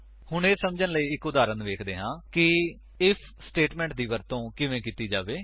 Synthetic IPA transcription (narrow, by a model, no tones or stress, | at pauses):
hʊɳeːsəmd͡ʒənləiːɪkʊd̪aːɾənʋeːkʰd̪eːɦãːkɪ | ɪpʰsʈeːʈmɛ̃ːɳʈd̪iːʋəɾt̪õːkɪʋẽːkiːt̪iːd͡ʒaːʋeː